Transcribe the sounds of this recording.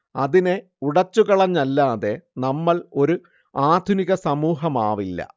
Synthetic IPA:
ɐðine̞ | uɽɐt͡ɕːuɣɐɭɐɲːɐlːaːðe̞nɐmːɐɭo̞ɾu | aːd̪ʱuniɣɐsɐmuːɦɐmaːʋilːɐ̰

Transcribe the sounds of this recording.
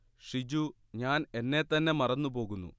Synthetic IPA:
ʂid͡ʑu | ɲaːne̞nːe̞t̪ɐnːe̞mɐrɐnːupo̞ːɣunːṵ

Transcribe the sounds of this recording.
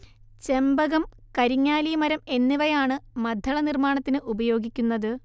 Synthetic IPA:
t͡ɕe̞mbɐɣɐm | kɐɾiɲːaːlijɐmɐɾɐme̞nːiʋɐjaːɳɨmɐd̪ʱːɐɭɐnirmaːɳɐt̪ːinɨʔubɐjo̞ːɡikʲːunːɐðɨ

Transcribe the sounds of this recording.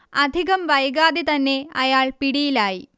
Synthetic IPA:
ɐd̪ʱiɣɐmʋɐjɡaːd̪it̪ɐnːe̞ɐjaːɭpiɽijilaːji

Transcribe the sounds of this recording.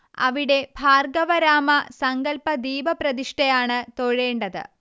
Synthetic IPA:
ɐ̰ʋiɽe̞bʱaːrɡɐʋɐɾaːmɐsɐŋɡɐlpɐd̪iːbɐprɐðiʂʈɐjaːɳɨt̪o̞ɻeːɳɖɐðɨ̰

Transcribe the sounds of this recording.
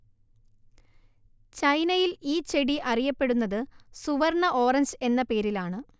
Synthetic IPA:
t͡ɕɐjnɐjiliːt͡ɕe̞ɽiʔɐrijɐpːe̞ɽunːɐðɨsuʋɐrɳɐʔo̞ːrɐɲd͡ʑe̞nːɐpe̞ːɾilaːɳɨ

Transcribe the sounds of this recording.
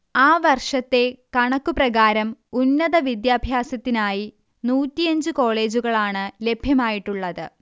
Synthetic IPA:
aːʋɐrʂɐt̪ːe̞kɐɳɐkːuprɐɣaːɾɐmunːɐðɐʋid̪jaːbʱjaːsɐt̪ːinaːji | nuːtːijɐɲd͡ʑɨko̞ːɭe̞ːd͡ʑuɣɐɭaːɳɨle̞bʱjɐmaːjiʈːuɭːɐðɨ̰

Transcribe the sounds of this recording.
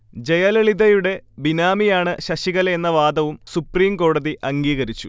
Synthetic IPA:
d͡ʑe̞jɐleɭiðɐjuɽe̞binaːmijaːɳɨɕɐɕiɣɐle̞nːɐʋaːd̪ɐʋumsupriːmko̞ːɽɐðiʔɐŋɡiːɣɐɾit͡ɕːu

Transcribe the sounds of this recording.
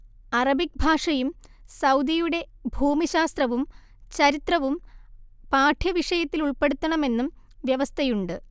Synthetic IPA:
ɐrɐbik̚bʱaːʂɐjumsɐwd̪ijuɽe̞bʱuːmiɕaːst̪rɐʋum | t͡ɕɐɾit̪rɐʋumpaːʈʰjɐʋiʂɐjɐt̪ːiluɭpe̞ɽut̪ːɐɳɐme̞nːum | ʋjɐʋɐst̪ʰɐjuɳɖɨ

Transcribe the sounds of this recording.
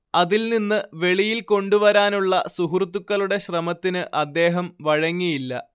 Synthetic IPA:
ɐðilninːɨʋe̞ɭijilko̞ɳɖuʋɐɾaːnuɭːɐsuɦrt̪ːukːɐluɽe̞ɕrɐmɐt̪ːinɨʔɐd̪ːe̞ːɦɐmʋɐɻɐŋːijilːɐ̰

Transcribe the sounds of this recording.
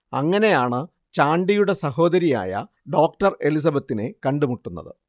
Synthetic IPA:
ɐŋːɐne̞jaːɳɨ | t͡ɕaːɳɖijuɽe̞sɐɦo̞ːd̪ɐɾija̰ːjɐ̰ | ɖo̞ːk̚ʈɐre̞lis̬ɐbɐt̪ːinekɐɳɖumuʈːunːɐ̰ðɨ

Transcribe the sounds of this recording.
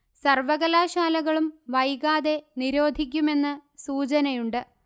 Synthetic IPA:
sɐrʋɐɣɐlaːɕaːlɐɣɐɭumʋɐjɣaːðe̞niɾo̞ːd̪ʱik̬ʲːume̞nːɨsuːt͡ɕɐnɐjuɳɖɨ

